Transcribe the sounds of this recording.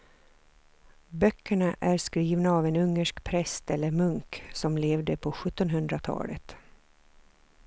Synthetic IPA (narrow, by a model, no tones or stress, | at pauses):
bœkʰːəɳaʔæɾskɾiːvnaːvɛnɵŋːəʂkpʰɾɛst̪ɛlːəɾmɵŋksɔmleːvd̪əpʰɔɧɵt̪ːɔnɦɵnd̪ɾat̪ʰɑ̰ːlə̰t̪